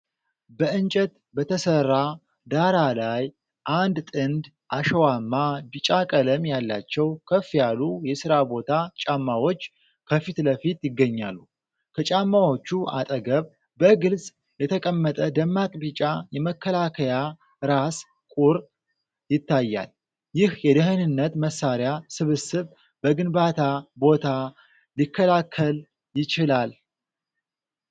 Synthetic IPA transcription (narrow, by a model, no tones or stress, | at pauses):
bəɨnt͡ʃʼət̪ | bət̪ʰəsərːa | d̪aɾalaj | ʔand̪t̪ʼɨnd̪ | ʔaʃəwamːabit͡ʃʼakʼələmjalːa̰t͡ʃːɛwkʰəfjalujɛsɨɾabo̞t̪ʰat͡ʃʼamːawo̞t͡ʃː | kʰəfit̪ləfit̪jɪɡːəɲːa̰lːu | kʰət͡ʃʼamːawo̞t͡ʃːua̰t̪ʼəɡəβ | bəɡɨlzʼ | jɛt̪ʰəkʼəmːət̪ʼəd̪əmːakʼbit͡ʃʼajɛməkːəlakʰəja | ɾas | kʼuɾ | jɪt̪ːajːa̰l | jɪhjɛd̪əɦənɨnːət̪məsːaɾjasɨβɨsɨβ | bəɡɨnbat̪ʰabo̞t̪ʰa | likʰːəlakʰːəl | jɪt͡ʃɪlal